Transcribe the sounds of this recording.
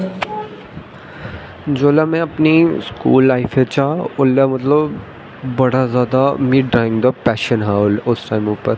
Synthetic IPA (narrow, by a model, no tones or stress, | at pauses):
d͡ʒoːlamɛ̃ɐpniskṵːlːaːɪfʰet͡ʃaːʊlːamɐt̪ləb | bɐɽazjaːd̪amɪʈ̚ɖɾaːɪ̃ŋɡd̪apɛːʃənɦɛʊsʈaːɪmuːpəɾ